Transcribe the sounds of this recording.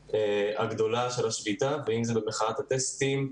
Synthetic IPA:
eaɡd̪o̞laʃelaʃbit̪aveimzɛbemeχanat̪hat̪est̪im

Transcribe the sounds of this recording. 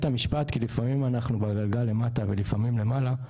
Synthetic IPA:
t̪amiʃpat̪kilifamimanaχnubaɡalɡalːe̞mat̪ave̞lifamimlemala

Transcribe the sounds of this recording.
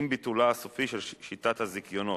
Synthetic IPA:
mbitulaasofiʃelʃit̪at̪hazikjo̞no

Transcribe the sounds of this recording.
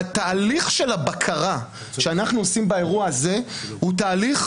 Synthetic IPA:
t̪aːliχʃe̞labakʰaʁa | ʃeanaχnuosimbae̞ʁuaaze̞hut̪aːliχ

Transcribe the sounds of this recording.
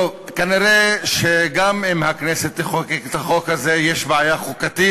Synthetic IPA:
ovkaniʁeʃeɡamimhakneset̪eχokekt̪aχo̞khazejeʃbeajaχukat̪i

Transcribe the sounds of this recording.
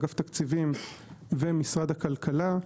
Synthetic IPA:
ɡaft̪akt͡sivimvemisʁad̪hakalkʰala

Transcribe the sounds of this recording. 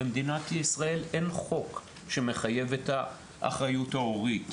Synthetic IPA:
emd̪inatjisʁae̞le̞nχo̞k | ʃe̞me̞χaje̞vetha | ʔa̰χʁajuthaoʁit

